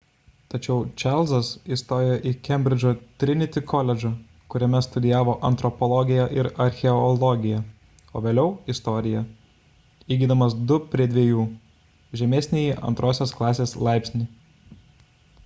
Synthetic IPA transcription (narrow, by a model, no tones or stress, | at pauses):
t̪ɐt͡ʃʲɛʊt͡ʃʲɑlʲˠzɐsist̪oːjɛʔikʲɛmʲbʲɾʲɪd͡ʒʲoːt̪ʲɾʲɪnʲɪt̪ʲɪkɔlʲɛd͡ʒʲo | kʊɾʲɛmʲɛst̪ʊd̪ʲɪjæːʋoːʔɐnt̪ɾɔpɔlˠɔɡʲɪjɛʔɪɾɐɾʲxʲɛɔlˠɔɡʲɪjɛ | o̰ːʋʲeːlʲɛʊɪst̪ɔːɾʲɪjɛ | iːɡʲiːd̪ɐmɐsd̪ʊpʲɾʲiɛd̪ʲʋʲiɛjuː | ʒʲɛmʲeːsʲnʲeːjiʔɐ̰nt̪ɾoːsʲoːsklˠɑːsʲeːslˠɑˑɪpʲsʲnʲɪ